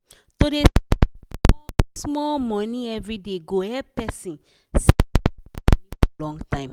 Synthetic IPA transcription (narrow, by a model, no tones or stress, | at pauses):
tode | smɔlmɔ̃nĩɛvɹideɡoɛpɛsĩn | s | nĩɔlɔ̃ŋɡtãɪ̃m